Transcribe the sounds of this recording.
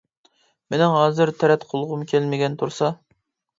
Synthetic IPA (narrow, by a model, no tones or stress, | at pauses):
menɪŋɦɑːzɨɾt̪ʰɛɾɛt̪qʰolˠʁʊmkʲʰælmɪɡʲɛnt̪ʰuɾsɑ